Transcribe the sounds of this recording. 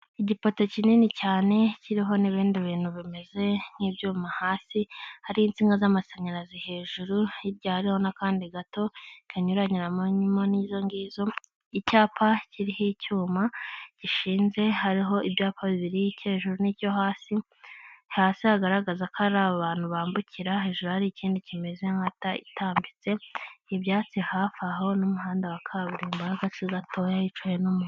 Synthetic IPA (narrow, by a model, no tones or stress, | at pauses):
iɟipo̞to̞cininicaːne̞ciɾiɦo̞niβiːndiβiːn̥huβime̞ze̞n̥iːbjuːmahaːsihaɾiint͡siːŋɡazamaseɲaɾazihe̞ːʒuɾuiɾɟahaɾiho̞nakaːndiɡato̞ikʰaɲuɾaɲiɾamoɲimonizo̞ŋɡiːzo̞ | icaːpʰaciɾihicuːmaɟ̥iʃiːnze̞haɾiɦo̞ʔiβjaːpʰaβiβiɾiice̞ːʒuɾunico̞ɦaːsi | haːsihaɡaɾaɡazakaɾaːβaβaːn̥huβaːmbucʰiɾaɦe̞ːʒuɾuhaɾiːciːndicime̞ze̞ŋhataḭtaːmbit͡se̞iβjaːt͡sihafaɦo̞numuɦaːndawakʰaβuɾeːmbahaɡat͡siɡatʰo̞jajit͡ʃajenumu